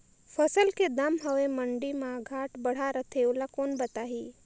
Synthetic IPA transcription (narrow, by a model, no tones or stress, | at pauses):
fʰəsəlked̪ɐmɦəʋeməɳɖimãɡʱaːʈbəɽ̤aɾət̪ʰeʊlakoːnbət̪aːɦiː